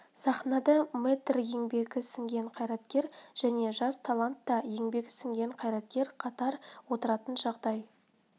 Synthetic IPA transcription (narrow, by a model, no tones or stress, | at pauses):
sɑχnɑd̪əmet̪rje̞ŋbe̞ɡʲɪsɪŋɡʲe̞ɴqʰɑjɾɑt̪kʲe̞ɾʒ̥æne̞ʒɑst̪ʰalˠant̪ːɑje̞ŋbe̞ɡʲɪsɪŋɡʲe̞ɴqʰɑjɾɑt̪kʲe̞ɾqʰɑt̪ɑɾwo̞t̪əɾɑt̪ənʒɑʁd̪ɑj